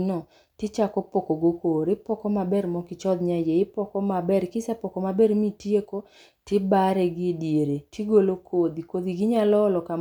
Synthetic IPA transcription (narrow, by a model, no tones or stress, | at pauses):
nɔ | tɪt͡ʃakɔpokoɡokoɾɪpɔkɔmabɛrmɔkɪt͡ʃɔd̪ɲad͡ʒeɪpɔkɔmabɛrkɪsɛpɔkɔmabeɾmitieko | tɪbaɾɛɡɪdjeɾetʰiɡolokʰod̪ikod̪iɡɪɲalɔlɔka